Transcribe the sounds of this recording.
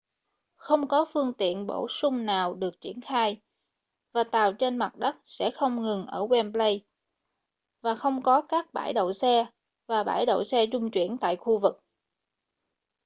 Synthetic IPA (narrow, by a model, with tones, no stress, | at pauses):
xə˧wŋ͡mkɔ˨˦fɨ˧əŋt̪ḭ˧˨ənɓo̰˧˩sʊ˧ŋ͡mnaː˨˩wɗɨ˨˩ək̚t͡ɕi˧˩ənxaː˧j | vaː˨˩t̪aː˨˩wt͡ɕe˧nma˨˩t̚ɗə˦˥t̚sɛ̰˧˥xə˧wŋ͡mŋɨ˨˩ŋʔəː˧˩wɛ˧mplə˧j | vaː˨˩xə˧wŋ͡mkɔ˨˦kaː˦˥k̚ɓa̰ː˧˩jɗo̰˧˨wsɛ˧ | vaː˨˩ɓa̰ː˧˩jɗo̰˧˨wsɛ˧t͡ɕʊ˧ŋ͡mt͡ɕwḭ˧˩ənt̪a̰ː˧˨jxu˧vɨ˨˩k̚